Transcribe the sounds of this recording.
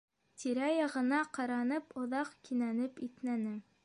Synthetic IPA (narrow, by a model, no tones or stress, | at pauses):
t̪iɾæjɑʁɤ̆nɑqɑɾɑnɤpŏðɑqkinænɘpit̪mænɘ